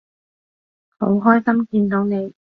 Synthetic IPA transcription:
ho̰˨˥wɦɔː˥jsɐ˥mkiː˧nt̪o˨˥wne˨˧j

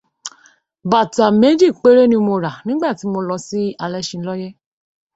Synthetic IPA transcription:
ba˨ta˨me˨˦d͡ʒi˦˨k͡pe˦ɾe˦nĩ˧mo˧ɾa˨nĩ˦ɡ͡ba˦˨ti˨˦mo˧lɔ˧si˦a˧lɛ˦ʃĩ˧˦lɔ˦jɛ˦

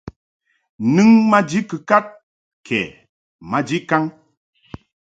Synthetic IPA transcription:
nɨ˦ŋma˦d͡ʒi˦kɨ˨ka˦t̚ | kʰɛ̰˨ | ma˦d͡ʒi˦ka˦ŋ

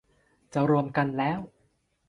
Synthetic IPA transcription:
t͡ɕa˨˧˩ɾu˧əmka˧nlɛː˦˥w

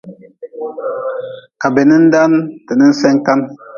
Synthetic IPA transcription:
ka˨be˨nə˦n̩˦da˦ntə˨nə˦n̩˦sɛ˦ŋka˦n

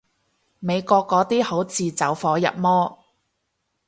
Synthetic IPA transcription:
me˨˧jkɔː˧kːɔː˨˥t̪iː˥ho˨˥wt͡siː˨˧t͡sɐ˨˥wfɔː˨˥jɐ̰˨p̚mɔː˥

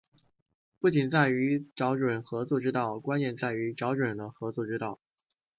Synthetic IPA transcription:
pu˥˩t͡ɕi˨˩nt͡sa˥˩ɪy˧˥ʈ͡ʂɑ˧˥ʊʈ͡ʂwə˨˩nxɤ˧˥t͡swɔ˥˧˩ʈ͡ʂɻ̩˥t̪ɑ˥˩ʊkwa˥njɛ˥˧nt͡sa˥˩ɪy˧˥ʈ͡ʂɑ˧˥ʊʈ͡ʂwə˨˩nd̪ə˦xɤ˧˥t͡swɔ˥˧˩ʈ͡ʂɻ̩˥t̪ɑ˥˩ʊ

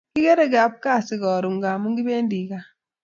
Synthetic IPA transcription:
ki˦ke˦ɾe˦˨ɡa˨p̚ka˦˨si˨ɣɔ˨ɾu˨ŋɡa˨mu˦ŋɡi˦βeː˦ndi˨ka˨

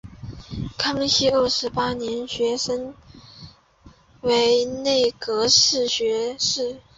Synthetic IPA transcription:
kʰɑ˥ŋɕi˥ə˥˩ʂɻ̩˧˥pa˥njɛ˧˥nɕɥɛ˧˥ʂə˥ŋ | we˧˥ɪne˥˩ɪkɤ˧˥ʂɻ̩˥˩ɕɥɛ˧˥ʂɻ̩˥˩

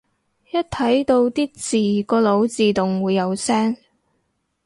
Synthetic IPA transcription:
jɐ˥t̚t̪ʰɐ˨˥jt̪o˧wt̪iː˥t͡siː˨kɔː˧lo˨˧˥wt͡siː˨t̪ʊ˨ŋwuː˨˧jːɐ˨˧wsɛː˥ŋ

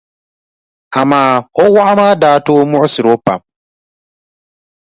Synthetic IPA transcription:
a˨maː˦ɔ˦wa˦ʔa˦maː˦daː˦toː˦mʊ˦ʔʊ˦sɪ˨ɾo˦pa̰˨m

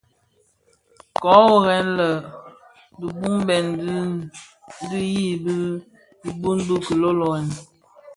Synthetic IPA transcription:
kɔ˨˦o˦˨ɣɛ˦nlə˨ | di˨bu˦mbɛ˨nd | di˦ji˦bə˦ | i˨bu˦nbə˦kə˨lo˦lo˨ɛ˨n

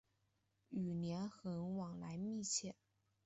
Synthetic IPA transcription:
y˨˩njɛ˧˥nxɤ˧˥ŋwɑ˨˩ŋla˧˥ɪmi˥˧t͡ɕʰjɛ˥˩

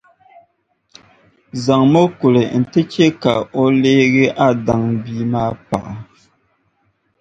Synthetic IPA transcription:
za˨ŋmo˦ku˨lɨ˨n̩˨tɨ˦t͡ʃɛ˦ka˨o˦leː˦ɣɪ˦ʔa˦da˨ŋbiː˦maː˦pa̰˨ʔa˨

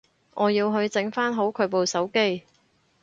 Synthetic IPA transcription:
ŋʔɔː˨˧jiː˧wɦɵ˧ɥt͡sɪ˨˥ŋfaː˥nɦo˨˥wkʰɵ˨˧˥po˨wsɐ˨˥wke˥j

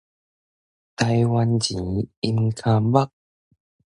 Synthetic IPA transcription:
t̪a˧jwa˧nt͡ɕi˨˦i˧mkʰa˧ba˦k̚

